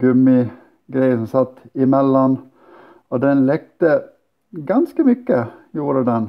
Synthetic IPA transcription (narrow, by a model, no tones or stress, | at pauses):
ɡʉmɪ | ɡɾæɪəsɔmsɑt̪ːɪmɛlːɔn | ɔd̪ɛnlɛkt̪ə | ɡɑnskəmʏkːəjuːɾəd̪ɛn